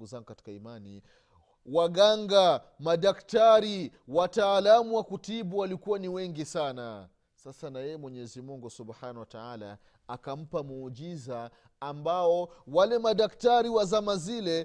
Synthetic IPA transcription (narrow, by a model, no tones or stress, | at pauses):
ɡuzaŋɡukati̥kaimanḭ | waɠaŋɡa | maɗaktaɾiwataːlamuwakutiɓuwalikuwaniwɛŋɡisana̰ | sasanajɛjɛmwɛɲɛzimuŋɡusubhanahwataala̰ː | kam̩pamuːʄizaː | mbaɔwalɛmaɗaktaɾiwazamazilɛ